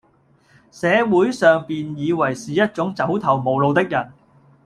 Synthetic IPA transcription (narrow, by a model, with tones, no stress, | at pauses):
sɛː˨˧wuː˨˥jsœː˨ŋpiː˨njiː˨˧wɐ˨˩jsiː˨jɐ˥t̚t͡sʊ˨˥ŋt͡sɐ˨˥wt̪ʰɐ˨˩wmo˨˩wlo˨˧wt̪ɪ˥k̚jɐ˨˩n